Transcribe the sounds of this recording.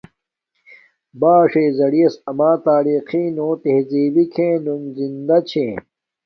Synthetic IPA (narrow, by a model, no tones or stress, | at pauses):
baːʂeːzɐɽiɐsɐmaːt̪aːɾiːqiːnõːt̪ehziːbikʰẽːnunzind̪ɐt͡ɕʰẽː